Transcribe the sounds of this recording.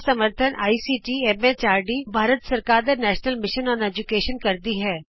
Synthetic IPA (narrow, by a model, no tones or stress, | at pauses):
səməɾt̪ʰənʔa̰ːisiːʈiɛːmet͡ʃaːɾɖibʱaːɾət̪səɾkaːɾd̪anɛːʃnəlmɪʃənɔːɾɛːd͡ʒʊkeːʃənkɐɾd̪iɦɛː